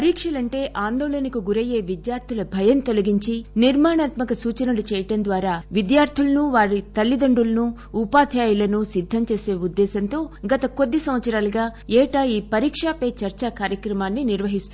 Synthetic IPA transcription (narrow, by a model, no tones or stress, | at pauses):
ɐɾiːkʂɐlɐɳʈe̞ːʔaːnd̪oːɭɐnɐkuɡuɾɐje̞ːʋid̪jaːɾt̪ʰilɐbʱɐjɐnt̪o̞lɐɡiɲt͡ʃiniɾmaːɳaːt̪mɐkɐsuːt͡ʃɐnuɽut͡ʃɛːjɐʈɐnd̪ʋaːɾaːʋid̪jaːɾt̪ʰilɐnuʋaːɾit̪ɐlːid̪ɐɳɖulɐnuː | paːt̪ʰjaːjulɐnusid̪ʱːɐmt͡ʃe̞ːse̞ːud̪ːɛːsɐnt̪o̞ːɡɐt̪ɐko̞d̪ːisɐmʋɐt̪sɐɾaːlɐɡaːɛːʈaːjiːpɐɾiːkʂaːpeːt͡ʃɐɾt͡ʃakaːɾjɐkɾɐmaːnːiniɾʋɐɦist̪u